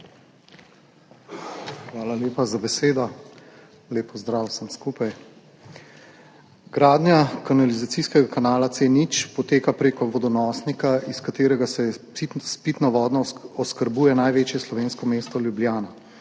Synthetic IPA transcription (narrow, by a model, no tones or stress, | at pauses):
xʋaːlaljeːpazabɛseːd̪ɔ | leːpɔzd̪ɾaːwsəmskuːpaj | ɡ̥ɾaːd̪njakanalizat̪siskɛɡakanaːlat̪seːnit͡ʃpɔt̪eːkapɾeːkɔʋɔd̪ɔnɔːsnikaiskat̪eːɾɛɡasɛispit̪nɔʋɔːd̪nɔɔskəɾbuːjɛnajʋeːt͡ʃjɛslɔʋeːnskɔmeːst̪ɔljublʲjaːna